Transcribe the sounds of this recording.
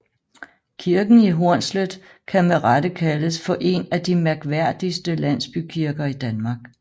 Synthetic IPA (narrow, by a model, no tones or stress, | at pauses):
kʰiɐɡ̥n̩iɦo̝ɐ̰nsləðˠ | kʰæmeʁɑd̥əkʰæləsfɒ̽ʔe̝næd̥imæɐɡ̥ʋæɐ̰d̥isd̥əlæn̰sb̥ykʰiɐɡ̥ɐid̥ænmɑ̈ːɡ̥